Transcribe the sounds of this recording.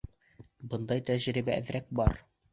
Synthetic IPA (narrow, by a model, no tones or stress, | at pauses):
bɤ̆nd̪ɑjt̪æʑɾibæɘðɾæk̚bɑɾ